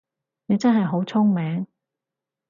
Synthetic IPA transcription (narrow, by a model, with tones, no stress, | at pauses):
ne˨˧t͡sɐ˥nɦɐ˨jɦo˨˥wt͡sʰʊ˥ŋmɛː˨˥ŋ